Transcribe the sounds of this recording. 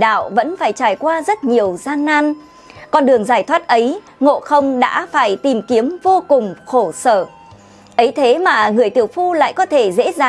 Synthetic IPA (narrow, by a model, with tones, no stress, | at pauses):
ɗa̰ː˧˨wvə̰˧˥nfaː˧˩jt͡ɕaː˧˩jkwaː˧zə˦˥t̚ɲi˨˩əwzaː˧ŋːaː˧n | kɔ˧nɗɨ˨˩əŋzaː˧˩jt̪ʰwaː˦˥t̚ʔə˨˦j | ŋo̰˧˨xə˧wŋ͡mɗa̰ː˧˥faː˧˩jt̪i˨˩mki˨˦əmvo˧kʊ˨˩ŋ͡mxo˧˩səː˧˩ | ʔə˨˦jt̪ʰe˨˦maː˨˩ŋɨ˨˩əjt̪ḭ˧˩əwfu˧la̰ː˧˨jkɔ˨˦t̪ʰe˧˩zḛ˧˥zaː˨˩